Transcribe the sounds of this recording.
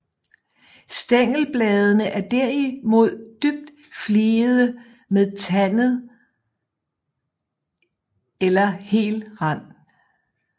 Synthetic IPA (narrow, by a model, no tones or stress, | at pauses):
sd̥eŋ̰l̩b̥lɛːð̞ˠənəʔæɐd̥æɐ̰imo̝ð̞̰ˠd̥yb̥̚d̥ | fliːð̞ˠə | meðˠt͡sʰænð̩ˠ | elɐhe̝̰ːlʁɑn̰